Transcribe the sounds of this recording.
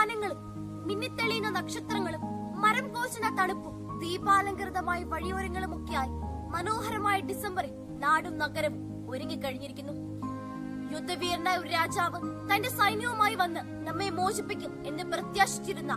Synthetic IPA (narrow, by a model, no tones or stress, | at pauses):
nɐŋːɐɭumː | inːɐt̪ːeɭijunːɐnɐkʂɐt̪rɐŋːɐɭumː | ɐɾɐmɡo̞ːɕɐnɐt̪ɐɳupːɨ | d̪iːbaːlɐŋɡɾɨðɐmaːjiʋɐɻijo̞ːɾɐŋːɐɭumokːɐjaːjimɐno̞ːɦɐɾɐmaːjɐɖisɐmbɐre | naːɽumnɐɡɐɾɐm | oɾuŋɡikɐɻiɲːiɾikʲːunːu | jud̪ʱːɐʋiːrnɐjoɾɾaːd͡ʑaːʋɨt̪ɐnde̞sɐjnjɐʋɐmaːjiʋɐnːɨ | nɐmːemo̞ːɕipːikʲːume̞nːɨprɐt̪jaːʂi̥t͡ɕːiɾunːɐ